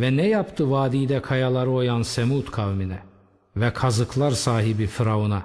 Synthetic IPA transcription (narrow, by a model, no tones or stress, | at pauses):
vɛnɛjapt̪ʰɯvaːd̪ijd̪ɛkʰajalˠaɾɯojansemut̪kʰavminɛ | vɛkʰazɯklˠaɾsaːɦibifiɾauna